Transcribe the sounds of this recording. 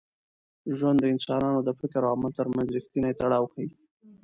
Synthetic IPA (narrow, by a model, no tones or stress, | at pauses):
ʒwand̪ːəɪnsɑnɑnod̪əfɪkəɾawamalt̪əɾmanzɾɪxt̪inajet̪aɽɑwxai